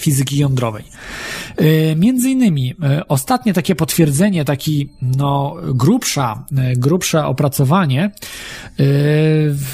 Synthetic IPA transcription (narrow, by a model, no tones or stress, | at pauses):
fʲizɘkʲijɔnd̪ɾɔvɛ̰j | mʲjɛnd̪zɘinːɘmʲiɔst̪at̪ɲɛt̪akʲɛpɔt̪fʲjɛɾd̪zɛɲɛt̪akʲinɔɡɾupʂaɡɾupʂɛʔɔpɾat̪sɔvaɲɛ